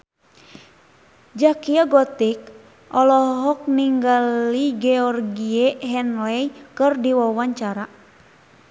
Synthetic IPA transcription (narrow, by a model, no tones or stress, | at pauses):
d͡ʒakiaɡɔt̪ik̚ | ʔɔlɔɦɔk̚niŋɡaliɡeɔrɡieɦɛnlɛikɨrdiwɔwaɲt͡ʃaɾa